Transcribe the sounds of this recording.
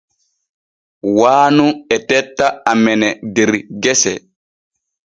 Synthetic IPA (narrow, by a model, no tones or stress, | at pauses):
waːnuɛtɛtːaamɛnɛdɛɾɡɛsɛ